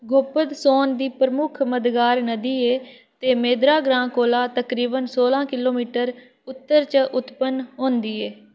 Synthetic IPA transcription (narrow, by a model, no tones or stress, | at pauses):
ɡʱoːpəd̪soːnd̪iːpɾəmʊkʰməd̪ɡaːɾnəd̪iːeː | t̪eːmeːd̪ɾaːɡɾãːkoːlaːt̪əkɾiːbənsoːlãːkɪloːmiːʈəɾ | ʊt̪ːəɾt͡ʃəʔʊt̪pənɦõːnd̪iːɛː